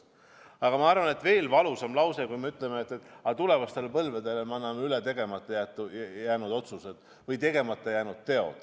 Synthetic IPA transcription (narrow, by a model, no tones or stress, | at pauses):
ɑɡ̥ɑmɑɑrvɑne̞t̪ːˑve̞ːlvɑlusɑmlɑwse̞kujmeyt̪ˑle̞meːt̪ːˑet̪ːˑɑt̪ule̞vɑst̪e̞lpɤlved̪̥e̞lemɑnːɑmeylet̪e̞ɡ̥e̞mɑt̪ːˑɑjæːt̪ːˑujæːnud̪o̞t̪suse̞d̪̥ | vɤjt̪e̞ɡ̥e̞mɑt̪ˑːɑjæːnud̪̥̚t̪e̞o̰d̪̥